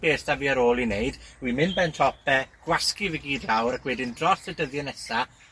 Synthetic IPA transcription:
b̥eːsd̥aviːəɾoːlˠineɨdwimɪnbɛntʰɔp̚ʰɛɡ̥waskivəɡiːdlawɾakʰwɛdɪndrɔsɛdəðjɛnɛsa

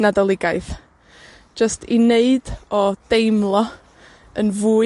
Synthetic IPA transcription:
nadɔlˠɪɡaɨθ | d͡ʒəstʰineɨd̥ɔd̥ejmlˠɔ | ənvuː

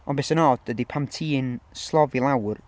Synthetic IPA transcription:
ɔnbesənɔdədipʰamtʰiːnslˠɔvilˠawr

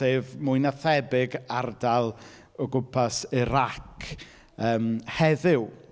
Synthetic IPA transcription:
eːvmʊjnaθɛbɪɡardalˠ | ɔɡʊpʰasiɾakʰ | əːmhɛðɪw

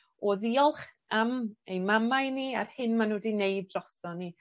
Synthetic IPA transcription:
ɔːðiɔlˠχ | amejmamajnia̰rhɨnmanuːdinejb̚drɔsɔni

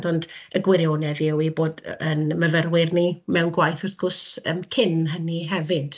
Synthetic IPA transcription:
dɔndəɡwɪɾjoːnɛðɪwiboːdənməvərwɪrnimɛwnɡwajθɔrθɡ̥ʊsəmkʰɪnɦəniɦɛvɨd̥

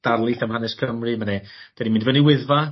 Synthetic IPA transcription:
d̥arlˠɨθamhanɛskʰəmrɨmanɛd̥ɛdimĩndvəniwɪðva

